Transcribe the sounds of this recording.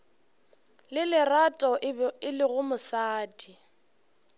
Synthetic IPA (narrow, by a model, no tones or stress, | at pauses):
lɪlɪratʼɔɪlɪɣʊmʊsaːtʰʼi